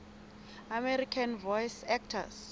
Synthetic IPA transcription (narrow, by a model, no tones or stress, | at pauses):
amɛɾikʰanvɔjsɛk̚tʰa̰s